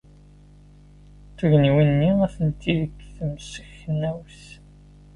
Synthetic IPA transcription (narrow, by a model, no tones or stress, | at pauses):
θəʝniwinːiæθənt̪ːiðəkːθəmsəçənːæwθ